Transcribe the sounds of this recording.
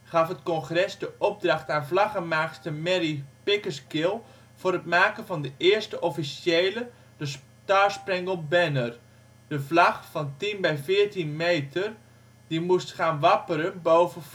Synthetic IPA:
χɑfɦətkɔnχrɛsdəʔɔb̚drɑχtaːnvlɑχəmaːkstəmɛɾipɪkəskɪlˠ | v̥ʊːrətmaːkənvɑndəʔɪːɹstəʔɔfisjejlə | dəs | taːsprɛŋɡəlˠbɛnər | d̥əvlɑχfɑntinbɛjfɪːɹtinmejtər | dimustχaːnʋɑpəɾənbowvə

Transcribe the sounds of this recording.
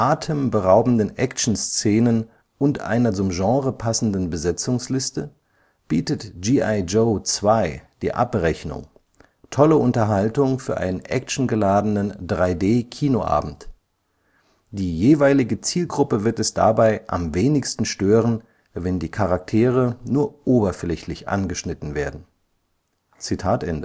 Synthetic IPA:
ʔaːtʰəmbəʁaʊbm̩dənʔɛkt͡ʃn̩st͡seːnən | ʔʊntʔa̰ɪnɐt͡sʊmʒɑ̃ːʁəpʰasn̩dən̩bəzɛt͡sʊŋslɪstə | b̥iːtətʒiːaɪd͡ʒoʊt͡sv̥aɪd̥ḭːʔa̰pʁɛçnʊ̰ŋ | tʰɔləʔʊntɐɦaltʊŋfyːɐʔa̰ɪnənʔɛ̰kʃn̩ɡəlaːdənəndʁaɪdeːkʰiːnoʔa̰ːbm̩t | d̥iːjeːvaɪlɪɡət͡siːlɡʁʊpəvɪɐtɛsd̥a̰baɪʔa̰mveːnɪçstn̩ʃtøːʁən | vɛndiːkʰaʁak̚tʰeːʁ̞ənuːɐʔoːbɐflɛçlɪçʔa̰nɡəʃnɪtn̩veːɐdn̩ | t͡sitʰaːtʔɛndə

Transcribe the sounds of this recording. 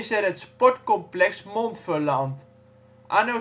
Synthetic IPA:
ɪsɛɾətspɔtkɔmplɛksmontfərlant | ʔano

